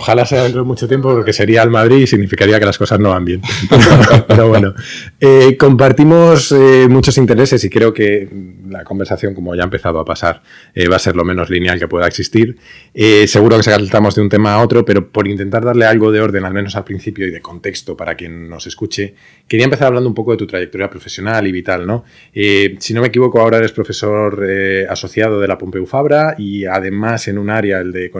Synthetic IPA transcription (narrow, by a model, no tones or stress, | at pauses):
oxalaseaðent̪ɾoomut͡ʃo̞t̪je̞mpo̞poɾke̞se̞ɾialmað̞ɾisiɣnifikaɾiake̞lasko̞sazno̞βambje̞neopeɾo̞βweno | eko̞mpaɾt̪imo̞semut͡ʃo̞sint̪e̞ɾe̞se̞sikɾe̞o̞ke̞lako̞mbeɾsaθjo̞ŋko̞moaʝaempe̞θað̞oapasaɾ | eβase̞ɾlo̞mẽ̞no̞zlinjalke̞pwe̞ðaeksist̪iɾese̞ɣuɾoke̞s̬ekat̪amo̞zðeunt̪e̞maːo̞t̪ɾo̞pe̞ɾo̞po̞ɾint̪e̞nt̪aɾðaɾle̞alɣo̞ð̞e̞o̞ɾð̞e̞nalmeno̞salpɾin̟θipjo̞iðe̞ko̞nt̪e̞kst̪o̞paɾakje̞nːo̞se̞skut͡ʃe̞ | ke̞ɾiaempe̞θaɾaβland̪oumpo̞ko̞ðe̞t̪ut̪ɾajek̚t̪o̞ɾjapɾo̞fe̞sjo̞naliβit̪alno̞ | esino̞mek̬iβ̞o̞koao̞ɾae̞ɾespɾo̞fe̞so̞ɾeaso̞θjað̞o̞ð̞e̞lapo̞mpe̞ufaβɾaiað̞e̞mase̞nũnaɾjaeld̪e̞ko